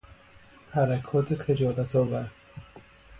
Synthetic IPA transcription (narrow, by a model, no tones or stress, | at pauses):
hæɾækʰɒːt̪ʰeχed͡ʒɒːlæt̪ʰɒːvæɾ